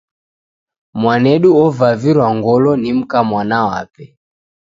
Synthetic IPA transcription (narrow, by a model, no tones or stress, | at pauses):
mwanɛɗuɔvaviɾwaŋɡɔlɔnim̩kamwanawa̰pɛ